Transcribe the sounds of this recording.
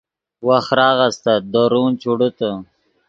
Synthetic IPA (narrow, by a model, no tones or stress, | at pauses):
waxɾɑːɣəst̪ad̪oɾunt͡ʃuɽut̪ə